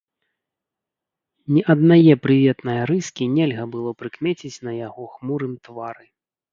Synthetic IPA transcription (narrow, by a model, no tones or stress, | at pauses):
nʲɛʔɐd̪najɛpɾɨvʲɛt̪nɐjɐɾɨskʲinʲɛlʲɣɐbɨlˠɔpɾɨkmʲɛt͡sʲit͡sʲnɐjaɣɔxmuɾɨmt̪vaɾɨ